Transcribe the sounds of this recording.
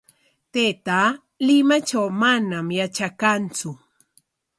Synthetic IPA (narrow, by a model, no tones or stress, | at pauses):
t̪et̪a | lɪmat͡ʃawmanamjat͡ʃakant͡sʊ